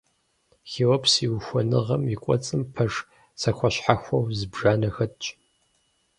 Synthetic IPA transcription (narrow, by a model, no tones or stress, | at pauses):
xiːwɐpsiwxʷɔnɨʁɐmikʷʼɔ̰t͡sʼɨmpʰɐʐ | sɐxʷɐɕħaxʷɐwzɨbʐaːnɐxɐtt͡ʃʼ